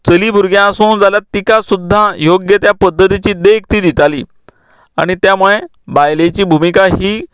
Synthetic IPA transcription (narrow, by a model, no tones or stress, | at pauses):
t͡səliːbuɾɡjãsond͡zaljat̪ːikasud̪ʱːajoɡjət̪japəd̪ʱːət̪it͡ɕiːd̪ek̚ʰt̪iːd̪it̪aliː | a̰ɽ̃it̪jamuɭe | bajlet͡ɕiːbʱumikaɦiː